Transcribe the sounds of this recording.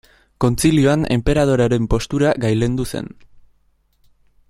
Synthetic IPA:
ko̞nt͡silio̞ane̞̰mpe̞ɾað̞o̞ɾaɾe̞mpo̞st̪uɾaɡajle̞nd̪use̞̰n

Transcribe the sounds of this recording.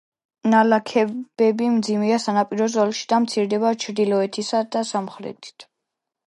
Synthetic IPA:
nalakʰɛbɛbimd̪zimɛasanapʼiɾɔzɔlʃi̥d̪amt̪sʰiɾd̪ɛbat͡ʃʰɾd̪ilɔɛt̪ʰisad̪asamχɾɛ̰t̪ʰʼi̥t̪ʰ

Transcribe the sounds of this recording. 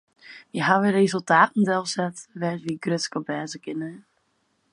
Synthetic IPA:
jəɦaʋɪrezəlˠtaːtn̩dɛlˠsɛtʋɛtʋiɡrøtskəbɛːzəkɪnə

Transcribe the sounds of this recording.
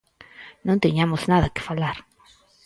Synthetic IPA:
nõnt̪eɲamoznaðakɪ̥falaɾ

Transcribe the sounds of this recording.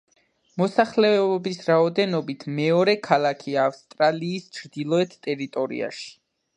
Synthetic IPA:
mɔsaχlɛɔbisɾaɔd̪ɛnɔbit̪ʰmɛɔɾɛkʰalˠakʰiaːfst̪ʼɾaliːst͡ʃʰɾd̪ilˠɔɛt̪ʰt̪ʼɛɾit̪ʼɔɾḭa̰ʃi̥

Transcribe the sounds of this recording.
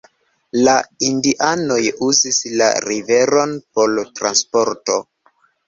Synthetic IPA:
laindiʔano̞juzisla̰ɾive̞ɾo̞npo̞ltɾanspo̞ɾto̞

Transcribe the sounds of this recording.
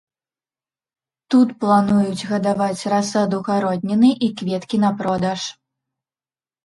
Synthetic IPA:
t̪ut̪plˠanujud͡zʲɣɐd̪avat͡sʲrasad̪uɣaɾɔd̪̚ʲnʲɛnɨʔikvʲɛt̪kʲinɐpɾɔd̪ɐʂ

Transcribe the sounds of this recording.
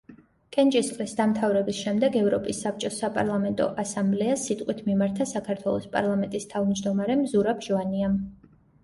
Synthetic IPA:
kʼɛnt͡ʃʼisχʼlisd̪amt̪ʰavɾɛbisʃɛmd̪ɛɡɛvɾɔpʼisːap̚ʰt͡ʃʼɔsapʼa̰ɾlˠamɛnt̪ʼɔ̰ʔasamblɛasit̪ʼqʼwit̪ʰmimaɾt̪ʰasakʰaɾt̪ʰwɛlˠɔspʼa̰ɾlˠamɛnt̪ʼist̪ʰavmd͡ʒd̪ɔmaɾɛmzuɾapʰʒɔaniam

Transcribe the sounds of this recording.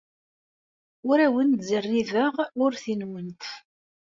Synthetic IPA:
ʊɾæwənt̪zərːiðəʁʊɾθinwənt̪

